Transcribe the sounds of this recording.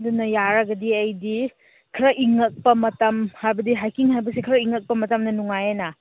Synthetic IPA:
dunɐjaɾɐɡɐdiɐjdi | kʰɾɐʔiŋɐk̚pɐmɐtɐmhajbɐdiɦajkiŋhajbɐsikʰɾɐiŋːɐk̚pɐmɐtɐmnɐnuŋajenɐ

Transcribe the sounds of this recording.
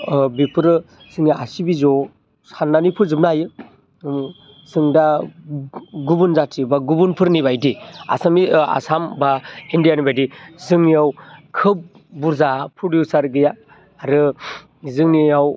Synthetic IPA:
bipʰɯɾɯ | sɯŋiʔasibizɔ | sanːanipʰɯɾzɯp̚najɯ | sɯŋda | ɡubunzatʰibaɡubunpʰɯɾnibajdia̰samia̰sambaindijanibajdizɯŋnijawkʰɯp̚ | buɾzapʰɾodjusaɾɡɯja | aɾɯ | zɯŋniaw

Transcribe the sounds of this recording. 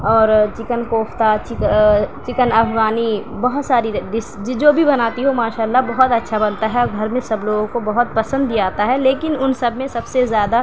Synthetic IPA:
ɔːɾt͡ʃɪkənkoːpʰt̪at͡ʃɪkt͡ʃɪkənɐbɡaːnibɐɦʊt̪saːɾiɖɪsd͡ʒd͡ʒoːbʱibɐnaːt̪iɦomaːʃaːəlːabɐɦʊt̪ɐtːʃʰabɐnt̪aɦɛɔɾɡʱɐɾmẽsɐbloːɡõkobɐɦʊt̪̚pɐsə̃nd̪iaːt̪aɦɛleːkɪnʊnsɐbmẽsɐbsezjaːd̪a

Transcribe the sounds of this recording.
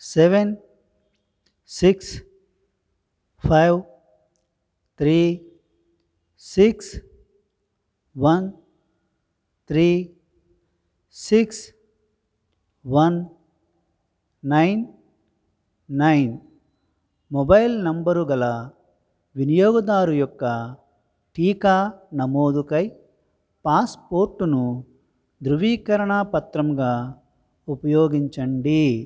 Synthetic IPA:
seʋen | siks | pʰajʋ | t̪ʰɾi | siks | ʋɐn | t̪ʰɾiː | siks | ʋɐn | ɐjn | ɐjn | mɔbɐjlnɐmbɐɾuɡɐlɐ | ʋinijɔːɡɐd̪aːɾujɔkːɐ | ʈiːkaːnɐmoːd̪ukɐj | paːspoːɾʈːunu | d̪ɾuʋiːkɐɾɐɳaːpɐt̪ɾɐmɡaː | upɐjoːɡiɲt͡ʃɐɳɖi

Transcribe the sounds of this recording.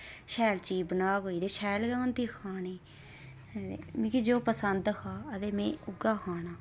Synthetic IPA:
ʃɛːlt͡ʃiːbənaːɡoːiːd̪eːʃɛːlɡɛːʊnt̪iːkʰaːniː | ḛmĩːkid͡ʒoːpəsənd̪kaːəd̪eːmẽːʊɡaːkʰaːnaː

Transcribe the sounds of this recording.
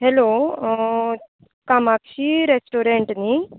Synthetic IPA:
ɦelo | kamakɕiɾesʈoɾeɳʈni

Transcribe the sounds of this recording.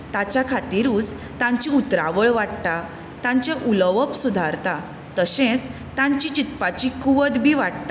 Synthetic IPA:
t̪at͡ɕjakʰat̪iɾuːd͡z | t̪ãɲt͡ɕiut̪ɾaʋəɭʋaʈt̪a | t̪ãɲt͡ɕeʔuləʋəpsud̪ʱaɾt̪a | t̪əsẽt͡s | t̪ãɲt͡ɕit͡ɕit̪pat͡ɕikuʋəd̪bʱiːʋaʈ̚t̪a

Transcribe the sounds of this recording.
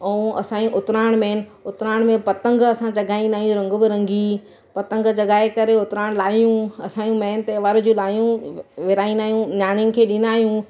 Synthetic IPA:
ɐũɐ̰sãːĩʔʊt̪ɾaːɽ̃mɛːn̆ʊt̪ɾaːɽ̃mẽpɐt̪ə̃ŋɡɐsãt͡ɕɐɡaːĩnd̪aːɦijũɾɐ̃ŋɡbɪɾɐ̃ŋɡi | pɐt̪ə̃ŋɡt͡ɕɐɡaːekɐɾeʊt̪ɪɾaːɽ̃laːijũɐsãːjũmɛːnɪ̆t̪eʋaɾ̆d͡ʑũlaːijũʋɪɾaːĩnd̪aːɦijũnaːɽ̃jʊnɪ̆kʰeːɗɪ̃n̆d̪aːɦijũ

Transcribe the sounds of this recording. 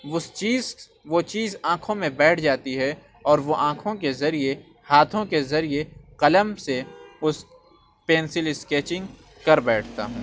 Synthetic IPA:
ʊst͡ʃiːz | ʋot͡ʃiːzãːkʰõmẽbɛːʈʰd͡ʒaːt̪iɦɛ | ɔːɾʋoʔãːkʰõkezɐɾie | haːt̪ʰõkezɐɾieqɐləmseʊs | peːnsɪlɪskeːt͡ʃɪ̃ŋɡ | kɐɾbɛːʈʰt̪a̰ɦũː

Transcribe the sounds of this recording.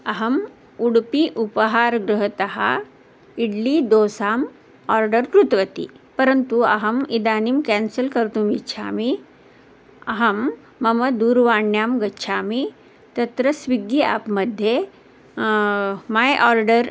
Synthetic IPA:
ɐɦɐm | uɽpiʔupəɦaːɾɡɾuɦət̪ɐɦa̰ | iɽliːd̪oːsaːm | ɔːɾɖəɾkɾut̪ʋɐt̪ḭpɐɾənt̪uɐ̰ɦɐmid̪aːnimkɛnsəlkɐɾt̪uːmitːt͡ʃʰa̰ːmi | ɐ̰ɦɐmː | ɐmɐd̪uːɾʋaːɳjaːmɡɐtːʃʰaːmi | t̪ɐt̪ɾəsʋiɡia̰ːpmɐd̪ʱje | maːjʔɔːɾɖəɾ

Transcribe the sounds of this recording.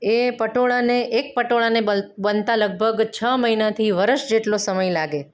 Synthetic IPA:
epəʈoɭaneʔek̚pəʈoɭanebənt̪aləɡ̚bʱəɡt͡ʃʰəməɦinat̪ʰiʋəɾəʃd͡ʒeʈlosəməjlaɡe

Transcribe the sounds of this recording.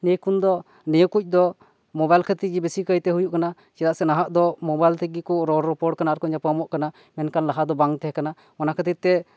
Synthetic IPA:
nɛkund̪ɔ | nɛjɔkuc̚ˀd̪ɔ | mɔbajlkʰət̪id͡ʒɛbesikəjt̪ɛɦujuʔkana | t͡ʃɛɾaʔsɛnaɦaʔd̪ɔmɔbajlt̪ʰiɡikɔɾɔɾɛpɔɾʈ̚kanaaɾkɔɲapamɔʔkana | mɛnkanlaɦad̪ɔbaŋt̪ɛɦɛkana | mɔnakʰət̪it̪ːɛ

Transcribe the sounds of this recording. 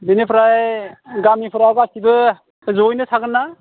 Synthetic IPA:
benepʰɾajɡamipʰuɾaɡasibɯ | zojnɯsʰaɡɯnːa

